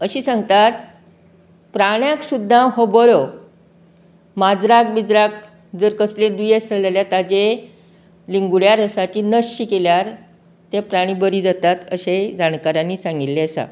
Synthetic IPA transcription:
əɕiːsãŋɡ̚t̪at̪ | pɾaɽjãksud̪ʱːãɦobəɾo | mad͡zɾak̚bid͡zɾak̚ | d͡zəɾkəslẽd̪ujesəɭəljat̪ad͡ʑe | liŋɡuɽjaɾəsat͡ɕiːnəɕɕikeljaɾ | t̪epɾaɽ̃iːbəɾiːd͡zat̪at̪əɕed͡zankaɾãnːiːsãŋɡit̪ːeəsa̰

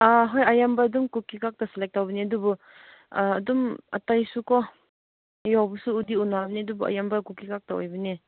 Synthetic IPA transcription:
aɦɔjajambɐːdumkukikak̚tɐselek̚tawbɐniɐdubɔː | duma̰tajsukɔ | jawbusuːdiunabɐniɐdubua̰jambɐkukikak̚tao̰jbɐne

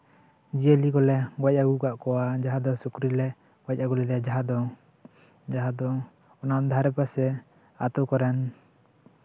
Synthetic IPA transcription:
d͡ʒiəlikɔlɛwac̚aɡukaʔkɔwad͡ʒaɦad̪ɔsukɾilɛ | wac̚aɡulɛɾɛd͡ʒaɦad̪ɔ | d͡ʒaɦad̪ɔː | naʔd̪ʱaɾɛpasɛ | at̪ɔkɔɾɛn

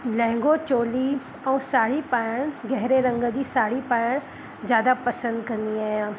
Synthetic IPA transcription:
lɛ̃ːŋɡot͡ʃoːli | ɔːsaːɽipaːɽ̃ɡɛɦɾeɾə̃ŋɡəd͡ʒisaːɽipaːɽ̃ | d͡ʒjaːd̪apɐsə̃nd̪kɐɾniaːjãː

